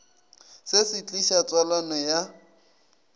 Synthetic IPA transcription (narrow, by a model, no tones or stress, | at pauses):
sesɪt͡ɬʼiʃat͡sʼwalanɔja